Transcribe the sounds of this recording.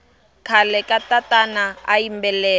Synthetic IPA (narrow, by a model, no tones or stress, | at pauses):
kʰalɛkatatanaaimbɛlɛː